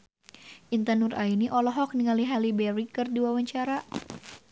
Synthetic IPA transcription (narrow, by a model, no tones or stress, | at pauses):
ʔint̪ənurʔainiʔɔlɔɦɔk̚niŋaliɦalibɛɾikɨrdiwawaɲt͡ʃaɾa